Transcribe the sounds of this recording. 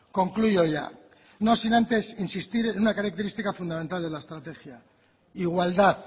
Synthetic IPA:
ko̞ŋkluʝo̞ʝa̰ | no̞sinãnt̪e̞sinsist̪iɾenunakaɾak̚t̪e̞ɾist̪ikafund̪amẽ̞nt̪ald̪e̞lae̞st̪ɾat̪e̞xja | iɣwald̪aθ

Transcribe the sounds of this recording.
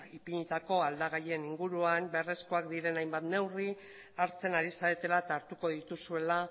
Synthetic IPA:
ipiɲit̪ako̞ald̪aɣaʎe̞niŋɡuɾuambe̞re̞sko̞ak̚d̪iɾe̞najmbat̪ne̞wri | aɾt͡se̞naɾisaet̪e̞lat̪aɾt̪uko̞ðit̪usue̞la

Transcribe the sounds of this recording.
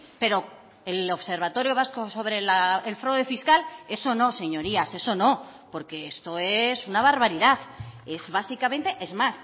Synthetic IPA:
pe̞ɾo̞ | elo̞βse̞ɾβat̪o̞ɾjoβaskoso̞β̞ɾe̞laelfɾawðefiskale̞so̞no̞se̞ɲo̞ɾiase̞so̞no̞ | po̞ɾke̞est̪o̞esunaβ̞aɾβaɾiðaθe̞zβasikamẽ̞nt̪e̞ʔe̞zmas

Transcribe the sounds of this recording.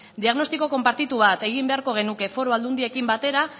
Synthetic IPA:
d̪iaɣno̞st̪iko̞ko̞mpaɾt̪it̪uβat̪e̞ɣ̞imbe̞aɾko̞ɣ̞e̞nuke̞fo̞ɾo̞ald̪und̪ie̞kimbat̪e̞ɾa

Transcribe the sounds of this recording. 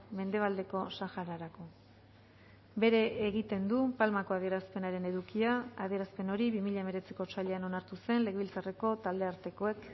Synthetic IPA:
me̞nd̪e̞β̞ald̪e̞ko̞saxaɾaɾako̞ | be̞ɾe̞ːɣit̪e̞nd̪upalmako̞að̞ie̞ɾaspe̞naɾe̞ne̞ðukiaaðie̞ɾaspe̞no̞ɾiβimiʎame̞ɾe̞t͡si̥ko̞t͡ʃaʎe̞ano̞naɾt̪use̞nle̞ɣeβilt͡sare̞ko̞t̪ald̪e̞aɾt̪e̞ko̞e̞k

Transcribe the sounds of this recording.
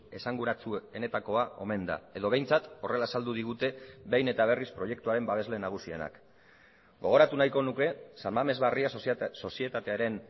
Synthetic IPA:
e̞saŋɡuɾat͡sue̞ne̞t̪ako̞ao̞̰me̞nd̪a̰e̞ðo̞β̞e̞jnt͡sat̪o̞re̞lasald̪uðiɣ̞ut̪e̞βejne̞t̪aβ̞e̞rispɾo̞je̞k̚t̪uaɾe̞mbaβe̞zle̞naɣ̞usie̞̰na̰k | ɡo̞ɣ̞o̞ɾat̪unajko̞nuke̞salmame̞zβariaso̞sie̞t̪at̪e̞aɾe̞n

